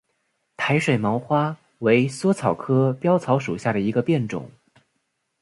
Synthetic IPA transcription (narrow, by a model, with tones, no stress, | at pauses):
t̪ʰa˧˥ɪʂwe˨˩ɪmɑ˧˥ʊxwa˥ | we˧˥ɪswɔ˥t͡sʰɑ˨˩ʊkʰɤ˥pjɑ˥ʊt͡sʰɑ˧˥ʊʂu˨˩ɕja˥˩ɾə˩i˧˥ɡə˧pjɛ˥˩nʈ͡ʂʊ̰˨˩˦ŋ